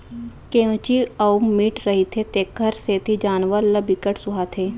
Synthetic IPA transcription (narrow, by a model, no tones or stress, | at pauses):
keõt͡ʃiɐumiʈɾəɦit̪ʰet̪eːkʰːəɾset̪ʰid͡ʒaːnʋəɾləbikəʈsʊɦat̪ʰeː